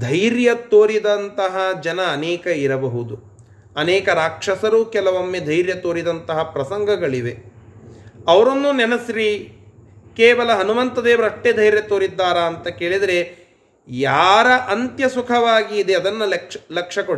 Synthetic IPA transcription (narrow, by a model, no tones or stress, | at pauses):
d̪ʱɐjɾjɐt̪oːɾid̪ɐnt̪ɐɦɐd͡ʒɐnɐːnɛːkɐiɾɐbɐɦud̪u | ɐnɛːkɐɾaːkʂɐsɐɾuːkɛlɐʋomːed̪ʱɐjɾjɐt̪oːɾid̪ɐnt̪ɐɦɐpɾɐsɐŋɡʱɐɡɐɭiʋe̞ | ɐʋɐɾonːunɛnɐsɾiː | keːʋɐlɐɦɐnumɐnt̪ɐd̪eːʋɐɾɐʂʈːed̪ʱɐjɾjɐt̪oːɾid̪ːaːɾɐːnt̪ɐkeːɭid̪ɐɾe | jaːɾɐʔɐnt̪jɐsukʰɐʋaːɡiːd̪eɐd̪ɐnːɐlɐkʂɐko